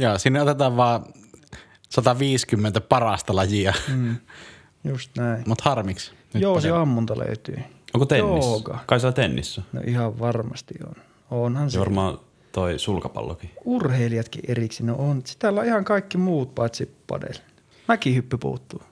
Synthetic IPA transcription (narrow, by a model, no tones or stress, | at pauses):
joːsiːnːeʔot̪et̪ɑːʋʋɑˑː | sɑt̪ɑʋiːskymːent̪æpɑrɑst̪ɑlɑjiɑː | just̪næˑimut̪hɑrmiks | joːsiɑmːunt̪ɑlø̰yt̪y̰ːoŋkot̪enoːiːkɑkɑˑikelːɑt̪enːḭsːæno̰ʔihɑʋʋɑrmɑst̪io̰n | onhɑnsʋɑ̰rmɑː | t̪oisulkɑpɑ̰lːo̰kiurheiliɑt̪kḭʔeriksinoʔonsi̥t̪ælːɑihɑŋkɑikːimuːt̪pɑˑit̪sipːɑ̰dḛl | mækihypːypṵːt̪ːuː